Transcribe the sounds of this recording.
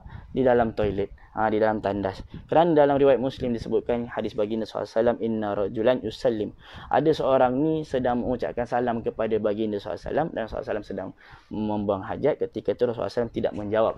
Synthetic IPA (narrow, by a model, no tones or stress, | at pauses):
didalamt̪ojlɛt̪̚ | adidalamt̪andaskəɾanadalamɾiwajat̪̚muslɪmdisəbʊt̪̚kanhadɪsbaɡinassalamʔinːaɾˤɑd͡ʒulanjusalːɪm | ʔa̰dasəoɾaŋnĩsədaŋməŋut͡ʃa̰ʔkansalamkəpadabaɡinasṵa̰sa̰lamda̰nsṵl̰a̰salamsədaŋ | mə̃mbuaŋɦad͡ʒat̪̚kət̪ikat̪uɾɔsula̰salamt̪ida̰ʔmə̃ɲd͡ʒawap̚